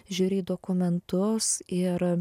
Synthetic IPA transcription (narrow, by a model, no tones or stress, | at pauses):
ʒʲuːɾʲiːd̪oːkʊmʲɛnt̪ʊsɪɾ